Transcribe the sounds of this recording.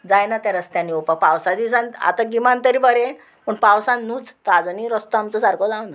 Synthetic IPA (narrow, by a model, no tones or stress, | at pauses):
d͡zajnat̪jaɾəst̪jãniopakpawsad͡zisana̰t̪aɡimant̪əɾibəɾẽ | pəɳpawsãnːuːt͡st̪ɔad͡zɔniɾəst̪ɔamt͡səsaɾkod͡zãw̃nd̪